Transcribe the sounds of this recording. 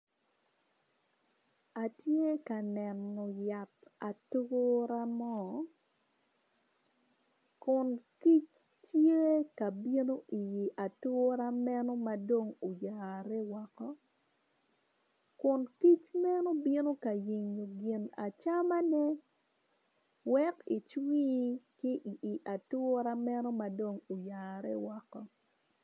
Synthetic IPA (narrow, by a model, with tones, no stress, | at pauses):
a˨tje˦ka˨nɛ˨nːo˨ja˨ta˨tʊɾa˦mɔ˦ | kʊ˨nki˦t͡ʃ | tje˦ka˨bi˦no˦ʔi˨ji˨ʔa˨tʊ˦ɾa˦mɛ˦no˦ma˨do˦ŋo˨jaːɾɛ˦wa˨kɔ˦ | kʊ˨nki˦t͡ʃmɛ˦no˦bi˦no˦ka˨ji˨ɲːo˨ɡɪ˨na̰˨t͡ʃa˦ma˦nɛ˦ | wɛ˦ki˨t͡ʃwiː˦kɪ˦ʔʔi˨ʔa˨tʊ˦ɾa˦mɛ˦no˦ma˨do˨ŋo˨jaː˨ɾɛ˦wɔ˦kɔ˦